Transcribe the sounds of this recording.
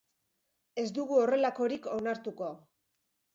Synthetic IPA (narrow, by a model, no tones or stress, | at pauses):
e̞zd̪uɣuo̞re̞lako̞ɾiko̞naɾt̪uko̞